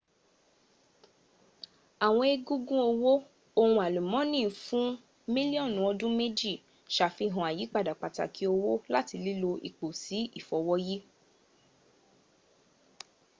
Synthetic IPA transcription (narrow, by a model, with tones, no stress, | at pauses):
a˨w̃ɔ̃˧e˧ɡũ˦ɡũ˦o˧wo˦ | o˧hũ˧a˨lu˨mɔ̃˨˦nĩ˦˨fũ˦ | mĩ˦li˦ɔ̃˦˨nũ˨˦ɔ˧dũ˦me˦d͡ʒi˦˨ | ʃa˨fi˧ɦɔ̃˧˨a˨ji˨˦k͡pa˦˨da˨k͡pa˨ta̰˨kʰi˨˦o˧wo˦la˦ti˧li˦lo˧ḭ˨k͡po˨si˨˦i˦˨fɔ˨wɔ˦ji˦